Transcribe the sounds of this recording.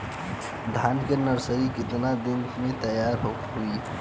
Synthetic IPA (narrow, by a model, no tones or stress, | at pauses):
d̪ʱaːnkenɐɾsəɾikɪt̪nad̪ɪnmẽt̪ɐjaːɾɦʊkmɦuiː